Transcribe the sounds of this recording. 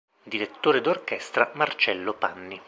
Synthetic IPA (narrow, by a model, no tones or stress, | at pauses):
d̪iɾet̪ːoːɾed̪orkɛst̪ɾamart͡ʃɛlːopanːi